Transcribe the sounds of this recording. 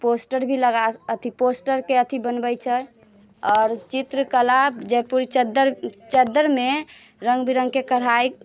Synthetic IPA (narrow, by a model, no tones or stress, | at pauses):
posʈəɾbʱiləɡaət̪ʰiposʈəɾkeət̪ʰibənbəjt͡ʃʰə | ɔːɾt͡ʃit̪ɾəkəlabd͡ʒɛpuɾit͡ʃəd̪əɾt͡ʃəd̪əɾme | ɾəŋɡbiɾə̃ŋɡkekəɽ̤aj